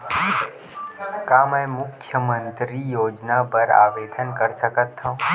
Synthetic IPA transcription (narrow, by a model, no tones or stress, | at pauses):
kaːmɛ̃mʊkʰjəmə̃nt̪ɾijoːd͡ʒnapəɾa̰ːʋeːd̪ʱənkəɾsəkət̪ʰːõ